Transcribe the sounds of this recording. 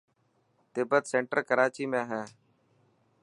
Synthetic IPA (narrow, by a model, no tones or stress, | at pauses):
t̪ɪbət̪sẽːɳʈəɾkəɾaːt͡ʃiːmẽːɦɛ̃ː